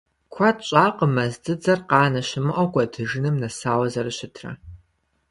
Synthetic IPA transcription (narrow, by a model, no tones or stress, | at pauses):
kʷʰɐtɕʼaːqəmɐzdɨd͡zɐrqɑːnɐʃɪmɨʔʼɐɡʷʼɐdʰɨʒɨnɨmnɐsaːwɐzɐrɨɕɪtʰrɐ̰